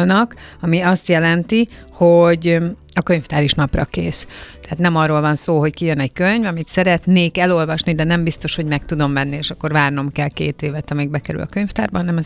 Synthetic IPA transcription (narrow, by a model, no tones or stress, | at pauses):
lnɒkɒmiɒst̪jɛlɛnt̪i | hoɟɒkø̞ɲft̪aːɾiʃnɒprɒkeːst̪ɛaːt̪nɛmɒrːoːlvɒnsoːɦo̞ckijønɛɟkøɲvɒmit̪sɛɾɛt̪neːkɛlo̞lvɒʃnid̪ɛnɛmbist̪o̞ʃho̞ɟmɛk̚t̪ud̪o̞mvɛnːieːʃɒkːo̞ɾvaːrno̞mkɛlkeːt̪eːvɛt̪ɒmiːɡ̚bɛkɛɾy̰lʔɒ̰køɲft̪aːrbɒɦɒnɛmɒz